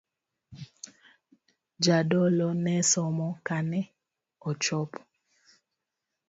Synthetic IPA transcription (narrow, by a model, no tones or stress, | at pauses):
d͡ʒadɔlɔnɛsɔmɔkanɛ | ɔt͡ʃɔp